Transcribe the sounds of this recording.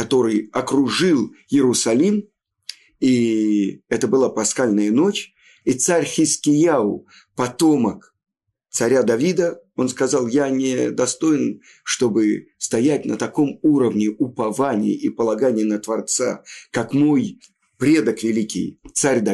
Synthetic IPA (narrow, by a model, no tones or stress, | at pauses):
kɐt̪o̞ɾɨjɐkɾʊʐɨlˠjɪɾʊsɐlʲim | i | ɛt̪əbɨlˠapɐsxalʲnəjəno̞t͡ɕ | it̪saɾʲxʲɪskʲɪjaʊ̰ | pɐt̪o̞mək | t̪sɐɾʲad̪ɐvʲid̪əo̞nskɐzɑlˠjanʲɪd̪ɐst̪o̞ɪn | ʂt̪o̞bɨst̪ɐjæt̚ʲnət̪ɐko̞muɾəvnʲɪʊpɐvanʲɪ̰jə̰ipəlˠɐɡanʲɪjənət̪vɐrt̪sa̰kakmo̞j | pɾʲe̞d̪əkvʲɪlʲikʲɪ̰jt̪saɾʲd̪ɐ